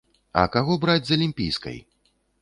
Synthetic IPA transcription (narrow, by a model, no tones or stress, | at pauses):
ɐ̰kaɣɔbɾad͡zʲzɐlʲimʲpʲḭjskɐ̰j